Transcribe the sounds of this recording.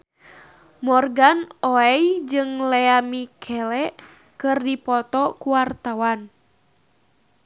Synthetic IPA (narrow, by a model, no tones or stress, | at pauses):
mɔrɡanɔɛjd͡ʒɨŋlɛamikʰɛlɛʔ | kɨrdipɔt̪ɔkuwart̪awan